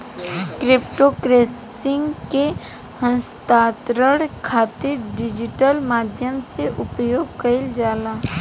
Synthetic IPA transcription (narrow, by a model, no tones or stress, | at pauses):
kɾɪpʈokɾeːsɪ̃ŋɡke | hə̃nst̪aːt̪ɾəɽkʰaːt̪ɪɾɖɪd͡ʒɪʈəlmaːd̪ʱjəmseʔʊpjoːɡ̚kəɪld͡ʒaːlaː